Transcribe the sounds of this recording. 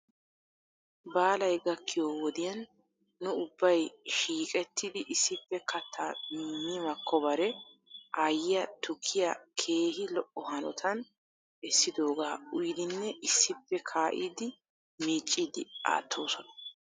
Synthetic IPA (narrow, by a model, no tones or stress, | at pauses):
baːlɐjɡɐkːɪjoːwɔd̪ɪjɐnː | ʊʊbːɐjʃiːkʼɛt̪ːɪd̪ɪʔɪsːɪpːɛkʰɐt̪ʰːannɪmɐkʰːɔbɐɾɛʔajɪjɐt̪ʊkʰːɪjɐkʰe̞ːɦɪlɔʔɔhɐnɔt̪ʰɐn | ɛsːɪd̪o̞ːɡaːʊjd̪ɪnːɛʔɪsːɪpːɛkʰaːʔiːd̪ɪ | miːt͡ʃʼːiːd̪ɪa̰ːt̪ʰːo̞ːsɔnɐ̥